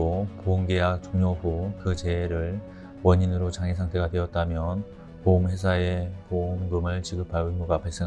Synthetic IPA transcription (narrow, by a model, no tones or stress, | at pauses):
opouŋɡejak̚t͡ɕuŋjoɸukɯt͡ɕe̞ɾɯɭ | wʌɲinɯɾot͡ɕaŋesʰaŋtʰe̞ɡadwe̞ʌt̚t͈amjʌn | poɯmwe̞s̬ʰae̞poɯmɡɯmɯɭt͡ɕiɡɯp͈ʰaumuɡapaɭs͈eŋ